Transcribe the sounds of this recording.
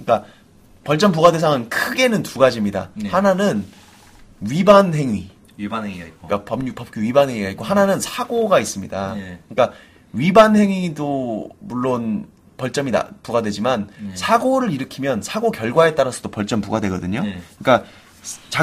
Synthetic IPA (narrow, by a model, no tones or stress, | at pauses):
ɯɲik͈a | pʌɭt͡ɕ͈ʌmp̬uɡadwe̞s̬ʰaŋɯnkʰɯɡe̞nɯntuɡad͡ʑimɲida̰hananɯn | ɥibanɦe̞ŋi | k͈apʌmpʌp̚k͈uɥibanɦeŋiɡaitk͈ohananɯnsʰaɡoɡais͈ɯmɲidakɯɲik͈a | ɥibanɦe̞ŋidomuɭːon | pʌɭt͡ɕ͈ʌmida̰puɡadwe̞d͡ʑimansʰaɡoɾɯɾiɾɯkʰimjʌnsʰaɡokjʌɭɡwae̞t͈aɾasʰʌd̥opʌɭt͡ɕ͈ʌmpuɡadwe̞ɡʌdɯɲoɯɲik͈a | t͡ɕa